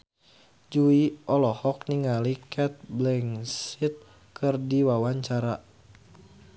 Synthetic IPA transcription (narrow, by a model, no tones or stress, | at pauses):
d͡ʒuiʔɔlɔhɔk̚niŋalikʰɛt̪̚blɛŋsit̪̚ | kʰɨrdiwawaɲt͡ʃaɾa